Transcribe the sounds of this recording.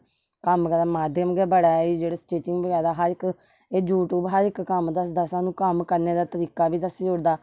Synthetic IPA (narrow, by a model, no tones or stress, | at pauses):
kəmkəɾaːmaːd̪ʱjəmɡɛːbəɽaːiːd͡ʒeːɽaːsʈeːʈɪŋɡbəɡaːd̪aːɦəɾɪk | ed͡ʒuːʈuːbɦəɾɪkːəmd̪əsd̪asãːnũːkəmkəɾneːd̪aːt̪əɾiːkaːbiːd̪əsd͡ʒoːɽd̪aː